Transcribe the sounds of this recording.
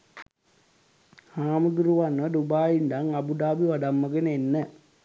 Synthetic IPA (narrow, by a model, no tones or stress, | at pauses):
haːmud̪uɾuʋanʋɐɖubaːjindaŋɐbuɖaːbiʋɐɖɐmːɐɡenenːɐ